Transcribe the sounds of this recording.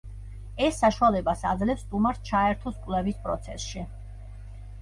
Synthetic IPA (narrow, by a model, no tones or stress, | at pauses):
ɛsːaʃualɛbasa̰d̪zlɛpsːt̪ʼumaɾst͡ʃʰaɛɾt̪ʰɔskʼwlɛvispʼɾɔt̪sʰɛsʃi